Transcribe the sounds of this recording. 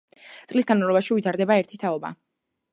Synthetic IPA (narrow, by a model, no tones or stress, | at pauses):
t̪sʼlisɡanmavlɔbaʃiuit̪ʰaɾd̪ɛbaɛɾt̪ʰit̪ʰaɔba̰